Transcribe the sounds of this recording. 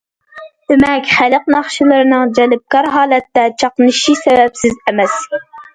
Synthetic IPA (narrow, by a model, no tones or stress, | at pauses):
d̪̥ɪmɛkʲχæləq̚nɑχʃilˠɨɾɨnɨŋd͡ʒɛlɪp̚kɑɾɦɑːlˠɛt̪ːɛt͡ʃʰɑqnɨʃisɛvɛpsɪzɛmɛs